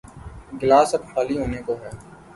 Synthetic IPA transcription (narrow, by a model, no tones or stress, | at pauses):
ɡɪlaːsɐbxaːliɦoːnekoɦɛː